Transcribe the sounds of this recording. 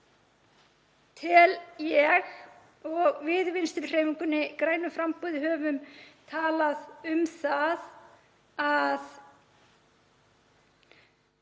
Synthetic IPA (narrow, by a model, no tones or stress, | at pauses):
t̪ʰɪljɛɣ | ɔɣvɪðvɪnst̪ɪɾr̥eːjmiŋkʏnːɪkɾaːjnʏfɾampuːðɪɦœːvʏmt̪ʰaːlaðʏmθað | að